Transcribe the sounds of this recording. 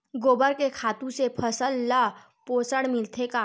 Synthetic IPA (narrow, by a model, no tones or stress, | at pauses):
ɡoːbəɾkekʰaːt̪ũsepʰəsəlːa | poːsəɽmɪlt̪ʰekaː